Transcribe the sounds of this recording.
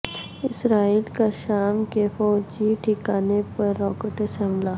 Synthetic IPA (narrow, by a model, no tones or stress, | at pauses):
ɪsɾaːiːlkaʃaːmkefɔːd͡ʒiʈʰikaːnepɐɾːɔːkeʈəsɛ̃mblaː